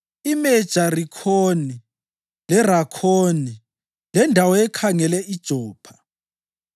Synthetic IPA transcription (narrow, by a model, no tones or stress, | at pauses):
imɛd̥ʒ̥ʱarikʰoni | lɛɾakʰoni | lɛndʱawɔɛkʰaŋɛlɛʔid̥ʒ̥ʱɔːpʰḁ